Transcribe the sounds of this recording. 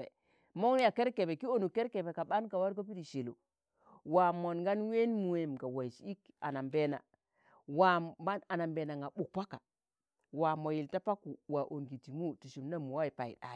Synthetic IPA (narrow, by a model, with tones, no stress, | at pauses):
ḛ˨ | mo˦ŋn˦ja˨ke˦ɾke˨be˨ki˦o˦˨nu˨ke˦ɾke˨be˨ka˨ɓa˦nka˨wa˦ɾko˦p̬i˦di˨ʃe˨lo̰˨ | wa˨mo˨nɡa˦nwe˦nmu˨e˨mka˨wa˨i˨si˦ka̰˨na˨mbe˦na̰˨ | wa˨ba˦na˨na˨mbe˨na˨ŋɡa˨ɓu˨kpa˦ka˨ | wa˨mo˨ji˨lta˦pa˦ku˨wa˨ʔo˨ŋɡi˨ti˨mu˦tu˨ʃu˨mna˦mu˨wa˦i˨pa˨ḭ˨ɗa̰˨